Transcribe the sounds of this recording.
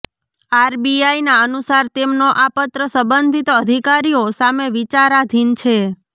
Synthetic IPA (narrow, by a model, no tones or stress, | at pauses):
aɾbiajnaənusaɾt̪emnoʔapət̪ɾəsəbənd̪ʱit̪əd̪ʱikaɾijosameʋit͡ʃaɾad̪ʱint͡ʃʰe